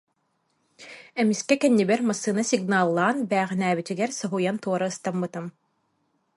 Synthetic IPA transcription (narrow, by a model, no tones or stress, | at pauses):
ɛmiskɛkɛnːibɛɾmasːɯːnasiɡnaːlˠːaːnbæːʁinæːβit̪iɡɛɾsɔɦujant̪uɔɾaɯst̪amːɯt̪ɯm